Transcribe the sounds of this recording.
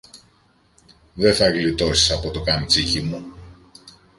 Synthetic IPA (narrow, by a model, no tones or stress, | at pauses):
ðe̞θɐɣlit̪o̞si̥sɐpo̞t̪okɐnit͡sicimu